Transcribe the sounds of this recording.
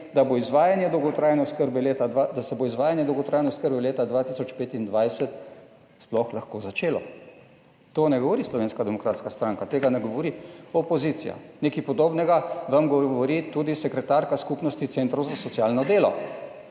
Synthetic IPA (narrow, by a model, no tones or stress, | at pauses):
d̪aboizʋaːjanjɛd̪ɔwɡɔt̪ɾaːjnɛʊskəɾbɛlet̪ad̪ad̪asɛboizʋaːjanjɛd̪ɔwɡɔt̪ɾaːjnɛʊskəɾbɛleːt̪ad̪ʋaːt̪isɔt͡ʃpeːt̪ind̪ʋajsɛt̪ | splɔxlaxkoːzat͡ʃeːlɔ | t̪onɛɡɔʋɔɾiːslɔʋeːnskad̪ɛmɔkɾaːt̪skast̪ɾaŋkat̪eːɡanɛɡɔʋɔɾiɔpɔziːt̪sija̰neːkipɔd̪oːbnɛɡaʋamɡɔʋɔɾit̪uːd̪isɛkɾɛt̪aɾkaskupnɔst̪it̪sent̪ɾɐwzasɔt̪sijaːlnɔd̪eːlɔ̰